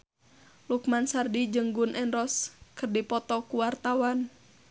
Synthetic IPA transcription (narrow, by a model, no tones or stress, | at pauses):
lukmansardid͡ʒɨŋɡunʔɛnɾɔskɨrdipɔt̪ɔkuwart̪awan